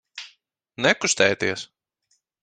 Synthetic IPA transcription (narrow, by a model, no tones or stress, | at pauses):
nɛkust̪ɛːt̪iɛs